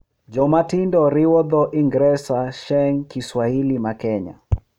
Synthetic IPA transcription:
d͡ʒɔmatindɔɾiwɔðɔʔiŋɡɾɛsaʃɛŋkiswahilimakɛɲa̰

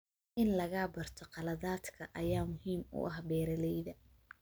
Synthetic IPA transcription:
ʔɪnlɐɣaːbɐrt̪ʰɔqɑlɐðaːd̪kʰɐʔɐjaːmʊhiːmʊ̰ʔɐɦbɛːɾɐlɛjðɐ

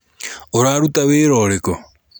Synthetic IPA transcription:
oɾaɾutaweːɾɔɾekɔ

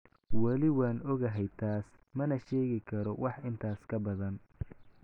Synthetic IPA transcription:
wɐlɪwaːnɔɣɐɦɛjt̪ʰaːsmɐnɐʃɛːɣɪkʰɐɾɔwʔɑħʔɪnt̪ʰaːskʰɐbɐðɐn

